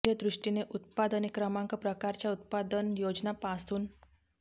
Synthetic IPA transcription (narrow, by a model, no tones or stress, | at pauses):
jəd̪ɾuʂʈineʔut̪̚pad̪ənikɾəmãŋkəpɾəkaɾt͡ɕjaut̪̚pad̪ənjod͡znapasuːn